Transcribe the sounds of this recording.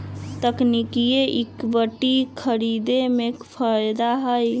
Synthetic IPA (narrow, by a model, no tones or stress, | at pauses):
t̪əknikijeʔikbəʈːikʰəɾid̪emekpʰəjd̪aɦəj